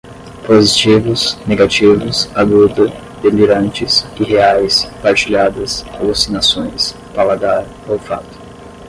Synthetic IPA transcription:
pozit͡ʃivʊsneɡat͡ʃivʊsaɡud̪ɐ | d̪eliɾɐ̃nt͡ʃɪsiheajspaɾt͡ʃiʎad̪ɐsowosinasõj̃s | palaɡ̪aɾ | owfat̪ʊ̥

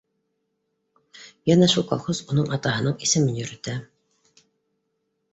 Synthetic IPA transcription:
jænæʃulˠkɑ̰lˠχozunɤɴɑt̪ɑɦɤ̆nɤɴisɘ̆mɘnjɵ̆ɾɘ̆t̪æ

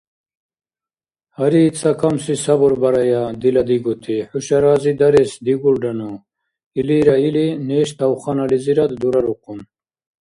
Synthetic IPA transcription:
hɐɾit͡sɐkɐmsisɐbuɾbɐɾɐjad̪ilɐd̪iɡut̪ʰiħuɕɐɾaːzid̪ɐɾesd̪iɡulɖɐnu | iliːɾailineːɕt̪ɐwχanɐliziɾɐd̪d̪uɾɐɾuqun

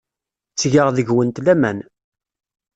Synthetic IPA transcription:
t͡sːʝəʁðəʝwənt̪læmæn

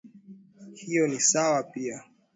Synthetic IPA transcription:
hijɔnisawapia

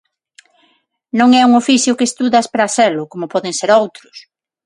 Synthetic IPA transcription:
nõŋɛuŋofiθjʊkest̪uðɐspɾaseɾlʊkomʊpɔðeŋseɾowt̪ɾʊ̥s

